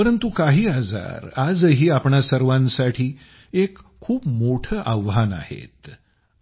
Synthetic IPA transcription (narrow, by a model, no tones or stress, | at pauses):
pəɾənt̪ukaɦiːad͡za̰ɾad͡zɦiːapɳasəɾʋãnsaʈʰiː | ekʰːuːpmoʈʰəːʔaʋɦana̰hḛt̪